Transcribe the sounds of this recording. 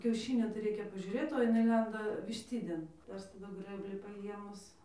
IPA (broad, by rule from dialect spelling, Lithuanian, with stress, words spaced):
kʲɛʊˈʃʲiːnʲoː tɐɪ ˈrʲɛɪkʲɛ pɐʒʲʊˈrʲeːt oː jɪˈnɐɪ ˈlʲɛndɐ ʋʲɪʃʲˈtʲɪdʲeːn tɐɪ ˈɐʃ tɐˈdʊ ˈɡrɘbʲlʲiː pɐˈjiɛmʊs